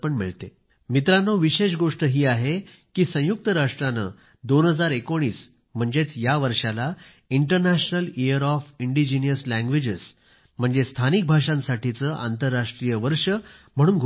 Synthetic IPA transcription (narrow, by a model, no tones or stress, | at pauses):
pəɳmḭɭt̪e | mit̪ɾanːoʋiɕeɕ̬ɡoʂʈəɦiːaɦe | kiːsə̃juk̚t̪əɾaʂʈɾanə̰ | d̪onɦəd͡zaɾekoɽ̃iːs | m̤əɳd͡zet͡sjaʋəɾʂala | iɳʈəɾnæɕnəlijəɾɔfiɳɖid͡ʑinijəslæ̃ŋɡʋed͡ʑes | m̤əɳd͡zest̪ʰanik̚bʱaʂãnsaʈit͡səʔa̰nt̪əɾːaʂʈɾijəʋəɾʂəm̤əɽ̃uːnɡʱ